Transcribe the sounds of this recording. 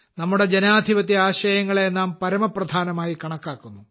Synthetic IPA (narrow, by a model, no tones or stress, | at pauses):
nɐmːuɽe̞d͡ʑenaːd̪ʱiʋɐt̪ːiaːɕɐjɐŋːɐɭeenːaːmpɐɾɐmɐprɐd̪ʱaːnɐmaːjikɐɳɐkːaːkːunːu